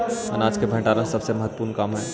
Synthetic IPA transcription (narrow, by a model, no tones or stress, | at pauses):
ənaːd͡ʒkebʱɛ̃ːʈaːɾãsɐbsemɐɦət̪ːəpuːɾnkaːmɦɛː